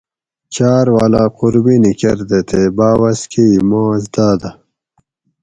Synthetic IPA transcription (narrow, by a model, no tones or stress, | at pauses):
t͡ɕaːɾwaːlaːquɾbinikɐɾd̪et̪ʰebaːwɐskiimãːzd̪aːd̪a